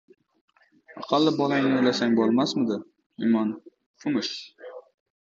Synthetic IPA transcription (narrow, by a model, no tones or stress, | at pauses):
ɑ̰qʰɑlːɪbɒlajnɪojlasaŋbɒlˠmasmɪd̪ɪ | ɪmɒn | fʊmʊʃ